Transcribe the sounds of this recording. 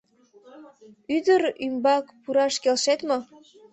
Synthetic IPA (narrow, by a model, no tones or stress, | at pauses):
yd̪əɾymbɑkpuɾɑʃkelʃet̪mɤ̆